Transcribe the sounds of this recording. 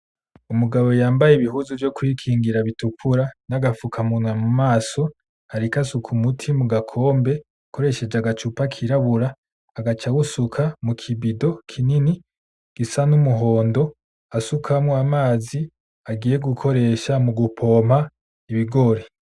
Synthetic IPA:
umuɡaβo̞jaːmbajeiβiɦuzovjo̞kwikʰiːŋɡiɾaβitukʰuɾanaɡafukʰamunwamumaːso̞ | aɾikasukʰumutʰimuɡakʰo̞ːmbe̞ | kʰo̞ɾe̞ʃe̞d͡ʒaɡat͡ʃupakʰiɾaβuɾaː | ɡat͡ʃawusukʰamukʰibido̞kʰinini | ɡ̥isanumuɦo̞ːndo̞ | asukʰamoamaːzi | aɡiːje̞ɡukʰo̞ɾe̞ʃamuɡupʰo̞ːmha | iβiɡo̞ɾe

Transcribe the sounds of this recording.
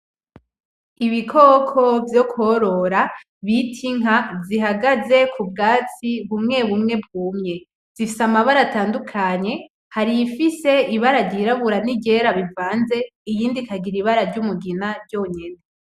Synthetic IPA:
iβikʰoːkʰo̞vjo̞koɾo̞ɾa | βitʰiŋ̥aziɦaɡaze̞kʰub̚ɡaːt͡siβumŋe̞βumŋe̞b̚ɡuːmŋe̞ | z̥ifisamaβaɾataːndukʰaɲe̞ | haɾifise̞iβaɾaɾɟiɾaβuɾaniɟe̞ɾaβivaːnze̞ijiːndikʰaɡiɾiβaɾaɾɟumuɡinaɾɟo̞ɲene

